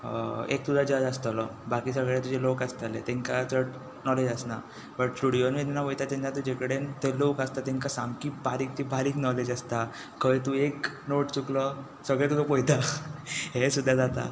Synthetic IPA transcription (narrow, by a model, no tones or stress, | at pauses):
ḛk̚t̪ud̪ʱad͡ʑaɾast̪alɔbakiːsəɡɭjat̪ud͡ʑelokast̪alet̪ẽŋkat͡səʈ | nɔled͡ʑasna̰ | bəʈʈʈuɽionet̪ɛnaʋəjt̪at̪ẽnat̪ũːd͡ʑekəɽent̪elokast̪at̪ẽŋkasamkiːbʱaɾiːk̚t̪ibʱaɾiːknɔled͡ʑast̪a | kəjt̪uek | noʈt͡suklɔ | səɡɭet̪uɡəpɔjt̪a | ɦesud̪ʱːad͡zat̪a̰